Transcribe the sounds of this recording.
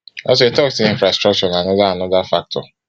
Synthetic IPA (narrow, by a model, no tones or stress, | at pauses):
ɔs̬oetɔksteĩnfɾastɾɔk̚t͡ʃɔnaanɔdaanɔdafak̚tʰɔ̰